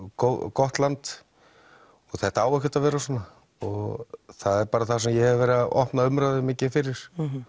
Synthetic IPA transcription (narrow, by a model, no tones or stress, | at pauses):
kowkɔht̪lant̪ | ɔɣθɛht̪aaːwɛhcɛt̪avɛːɾasɔnːa | ɔɣθaðɛɾpaːɾaθḁsɛmjɛhɛvvɛːɾɪðaʔɔ̰hpnaʏmɾaðɪmɪːcɪfɪɾɪɾ̥